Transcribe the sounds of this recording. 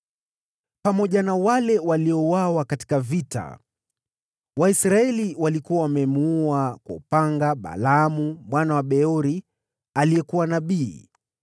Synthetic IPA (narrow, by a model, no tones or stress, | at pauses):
pamɔʄanawalɛwaliɔwawakati̥kavita̰ | waisɾaɛliwalikuwawamɛmuuakwa̰upaŋɡaɓa̰lamumwanawaɓɛɔɾi | aliɛkuwanaɓiː